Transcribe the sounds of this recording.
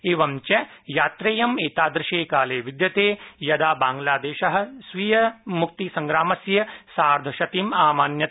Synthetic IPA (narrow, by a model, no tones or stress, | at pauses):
eːʋɐmt͡ʃɐjaːt̪ɾeːjɐmeːt̪aːd̪ɾɪʃeːkaːleːʋid̪jɐt̪eːjɐd̪aːbaːŋɡlaːd̪eːʃɐɦɐ̆sʋiːjɐmuk̚t̪isɐ̃ŋɡɾaːmɐsjɐsaːɾd̪ʱɐʃɐt̪imaːmaːnjɐ